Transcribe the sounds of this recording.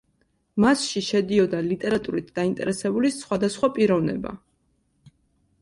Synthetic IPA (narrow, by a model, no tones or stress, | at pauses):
masʃiʃɛd̪iɔd̪alit̪ʼɛɾat̪ʼuɾit̪ʰd̪̥aint̪ʼɛ̰ɾɛsɛbulisχwad̪asχwapʼiɾɔvnɛ̰ba̰